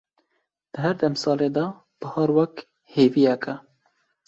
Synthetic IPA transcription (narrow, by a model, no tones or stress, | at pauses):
d̪̥ɨɦɛɾd̪ɛmsɑːleːd̪ɑ | b̥ɨhɑːɾwɛk | heːviːjɛkɛ